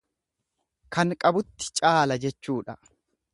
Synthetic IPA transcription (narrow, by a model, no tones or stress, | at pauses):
kɐŋkʼɐbʊt̪ːɪ̥t͡ʃʼaːlɐd͡ʒɛt͡ʃːuːᶑɐ